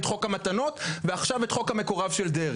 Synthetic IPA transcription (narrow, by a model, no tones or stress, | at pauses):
t̪χo̞khamat̪ano̞tveaχʃavet̪χo̞khame̞koʁavʃeld̪eʁ